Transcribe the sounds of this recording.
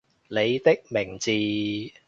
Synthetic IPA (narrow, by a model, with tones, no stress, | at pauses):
le˨˧jt̪ɪ˥k̚mɪ˨˩ŋt͡siː˨˧